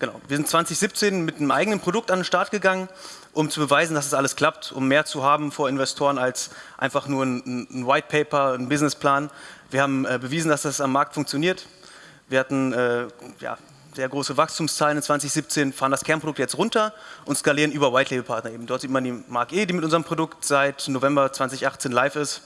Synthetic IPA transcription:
ɡ̥ənaʊviːɐzɪntt͡sv̥ant͡sɪçz̥ip̚t͡seːnmɪtnəmʔa̰ɪɡənənpʁ̥odʊk̚tandenʃtaɐtɡ̥əɡaŋənʔʊmt͡subəvaɪzn̩dasɛsʔaləskl̥ap̚tʔʊmːeːɐt͡suɦaːbm̩foːɐɪnvɛstʰoːʁənalsʔa̰ɪnfaχnuːɐnnn̩waɪt̚pʰɛɪpɐn̩bɪznɪspl̥aːnviːɐhaːbm̩ʔɛːbəviːzn̩dasd̥asamːaɐk̚tfʊŋkt͡sjoniːɐt | viːɐhatn̩ɛːja̰ː | z̥eːɐɡʁoːsəvakstʰuːmst͡saːlənɪnt͡sv̥ant͡sɪçz̥iːp̚t͡seːnfaːʁəndaskʰɛɐpʰʁodʊktjɛt͡stʁʊntɐʔʊntskaliːʁənʔyːbɐwaɪtʰleːbəpʰaɐtnɐʔeːbm̩dɔɐtz̥iːtmandiːmaɐkʔeːdiːmɪtʔʊnzəʁəmpʁ̥odʊktz̥aɪtnovɛmbɐt͡sv̥ant͡sɪçʔaχt͡seːnlaɪfɪst

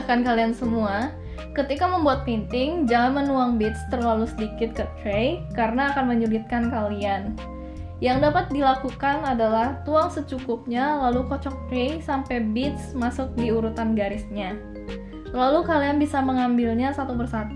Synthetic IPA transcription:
kankaliansəmua | kət̪ikaməmbuat̪̚pint̪ɪŋd͡ʒaɦanmənuaŋbɪt̪st̪ərlalusədikɪt̪̚kət̪ɾejkaɾənaːkanməɲulit̪̚kankalian | jaŋdapat̪̚dilakukanadalaht̪uaŋsət͡ʃukʊp̚ɲalalukɔt͡ʃɔk̚t̪ɾejsampɛjbɪt̪̚smasʊk̚diuɾut̪anɡaɾɪsɲa | lalukalianbisaməŋambɪlɲasat̪ubərsat̪u

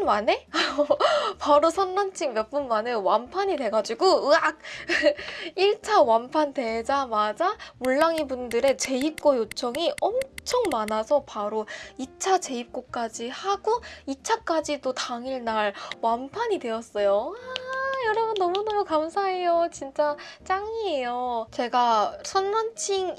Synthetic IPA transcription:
nmane̞ | paɾosʰʌnːant͡ɕʰiŋmjʌp͈unmanewampʰaɲidwe̞ɡad͡ʑiɡoɯak̚ | iɭt͡ɕʰawampʰante̞d͡ʑamad͡ʑamuɭːaŋibundɯɾe̞t͡ɕe̞ip̚k͈ojot͡ɕʰʌŋiʌmt͡ɕʰʌŋmanasʰʌpaɾoit͡ɕʰat͡ɕe̞ip̚k͈ok͈ad͡ʑihaɡ̥oit͡ɕʰak͈ad͡ʑidotaŋiɭnaɭwampʰaɲidwe̞ʌs͈ʌjoajʌɾʌbunːʌmunʌukamsʰae̞jot͡ɕint͡ɕ͈at͡ɕ͈aŋiejot͡ɕe̞ɡasʰʌnmant͡ɕʰiŋ

